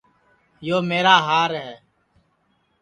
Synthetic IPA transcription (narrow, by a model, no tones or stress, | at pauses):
joːmeːɾaːɦaːɾɦɛː